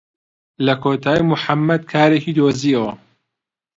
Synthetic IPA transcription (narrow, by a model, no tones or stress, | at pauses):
lɐkʰot̪ʰaːjmuħamːɐd̪̚kʰaːɾekiːd̪oziːɐwɐ